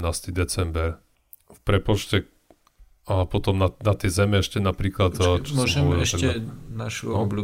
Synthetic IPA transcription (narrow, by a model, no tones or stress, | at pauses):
naːst̪id̪ɛt͡sɛmbɛɾ | fpɾɛpɔt͡ʃcɛ | apɔt̪ɔmnanat̪jɛzɛmɛɛʃcɛnapɾiːklat̪ːt͡ʃɔmsɔmʒɛɔɛʃɛnaʃuɔblu